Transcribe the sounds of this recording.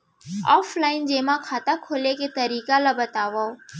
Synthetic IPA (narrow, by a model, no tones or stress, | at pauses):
a̰ːflaːɪnd͡ʒeːmãːkʰaːt̪akʰoːlekeːt̪əɾiːkalaːbət̪aːʋaːoː